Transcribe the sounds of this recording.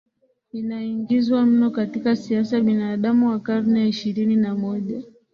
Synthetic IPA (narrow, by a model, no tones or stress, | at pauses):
inaiŋɡizwam̩nɔkatikasiasajaɓinaːɗamuwakaɾnɛiʃiɾininamɔʄa